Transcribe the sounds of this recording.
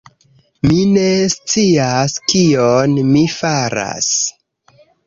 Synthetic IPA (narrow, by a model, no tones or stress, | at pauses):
mine̞st͡siaskionmifaɾa̰s